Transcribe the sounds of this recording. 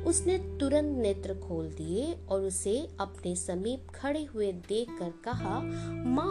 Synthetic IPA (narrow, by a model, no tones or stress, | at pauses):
ʊsnet̪ʊɾə̃nt̪neːt̪ɾəkʰoːld̪ieɔːɾʊseɐpnesɐmiːp̚kʰɐɽeɦʊed̪eːkʰːəɾkɐɦamãː